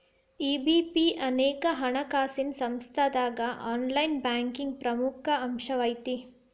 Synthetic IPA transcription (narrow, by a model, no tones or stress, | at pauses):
iːbipiɐneːkɐɦɐɳɐkaːsinsɐmst̪ʰɐd̪aːɡɐʔaːnlɐjnbaːŋkiŋɡ̚pɾɐmukʰɐɐmʃɐʋɐjt̪i